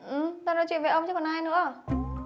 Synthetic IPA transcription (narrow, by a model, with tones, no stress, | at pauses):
ʔɨ˨˩mt̪aː˧nɔ˧˥jt͡ɕwḭ˧˨nve˨˩ʔə˧wŋ͡mt͡ɕɔ˧˦˥hɔ˨˩ʔaː˧jnɨ̰˧˥ə